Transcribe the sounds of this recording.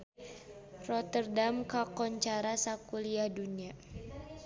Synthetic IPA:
rɔt̪ərdamkakɔɲt͡ʃaɾasakuliahdunia

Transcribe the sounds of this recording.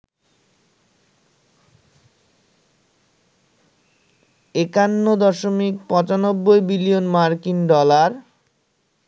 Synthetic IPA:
ekanːod̪ɔʃomik̚pɔ̃t͡ɕanobːojbilionmaɾkinɖɔlaɾ

